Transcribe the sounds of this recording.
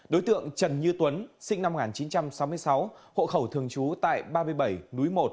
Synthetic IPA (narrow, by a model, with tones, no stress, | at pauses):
ɗo˨˦jt̪ɨ̰˧˨əŋt͡ɕə˨˩nɲɨ˧t̪wə˨˦nsï˧ŋ̟na˧m̚˨˩˨aː˨˩nt͡ɕi˨˦nt͡ɕa˧msa˨˦wmɨ˧əjsa˨˦who̰˧˨xə˧˩wt̪ʰɨ˨˩əŋt͡ɕu˨˦t̪a̰ː˧˨jɓaː˧mɨ˧əjɓə˧˩jnu˨˦jmo˨˩t̚